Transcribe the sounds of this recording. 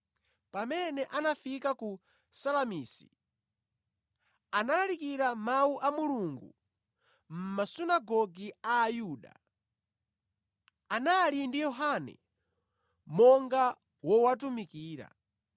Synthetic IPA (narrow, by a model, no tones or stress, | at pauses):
pamɛnɛʔanafikaku | salamiːsi̥ | analaɾikiɾamawuʔamuluŋɡṵ | m̩masunaɡɔɡiaːjuːɗa̰ | analindijɔɦanɛ̰ | mɔŋɡa | wɔwatumikiːɾa̰